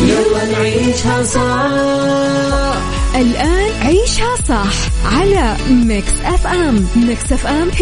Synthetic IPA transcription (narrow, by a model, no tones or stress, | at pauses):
jawanʕiːʃhasˤɑ | ʔɪlʔaːnʕiːʃhasˤɑħʕala | mɪksʔafʔammɪksʔafʔam